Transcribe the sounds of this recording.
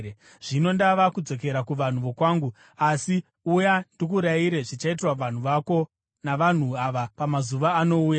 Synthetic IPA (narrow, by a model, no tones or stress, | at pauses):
ʐ̥ino̞ndaʋakud͡zo̞k̬e̞ɾakuʋan̤uʋo̞kwaːŋɡu | asi | ujandik̬uɾaiɾe̞ʐit͡ʃait̬rwaʋan̤uʋako̞ | naʋan̤uaʋapamazuʋaːno̞uːja